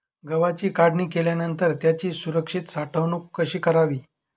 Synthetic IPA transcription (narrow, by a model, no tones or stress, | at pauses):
ɡəʋat͡ɕiːkaɽniːkeljanənt̪əɾt̪jat͡ɕiːsuɾəkʂit̪saʈʰəʋnuːkkːəɕiːkəɾaʋiː